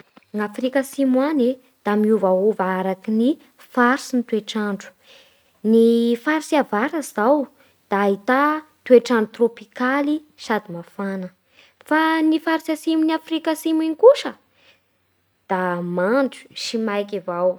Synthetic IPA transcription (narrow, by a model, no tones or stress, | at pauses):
ŋafrikasimwane | d̪̥amiuvauvaaɾakini | faɾsinit̪ueʈ͡ʂaɳɖ͡ʐu̥ | nifaɾsiavaɾazaw | d̪̥aɦit̪a | t̪ueʈ͡ʂaɳɖ͡ʐut̪ropikali | ʃad̪imafanə | fanifaɾsasimuniafrikasimiŋikuʃə | d̪̥amaɳd͡ʒu̥ʃimajkivaw